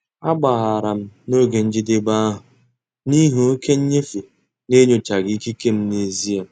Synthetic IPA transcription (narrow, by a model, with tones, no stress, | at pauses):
a˦ɡ͡ba˨ɣa˨ɾa˨m̩˦no˦ɡe˨n̩˦d͡ʒɪ˦dɪ˦ba˦ɦʊ˨ | ni˦ɦu˨o˦kʰe˦ɲ̩˦ɲe˦fi˨ | ne˦ɲo˨t͡ʃa˨ɡi˦ki˦ke˦m̩˦ne˨zi˦a˨˦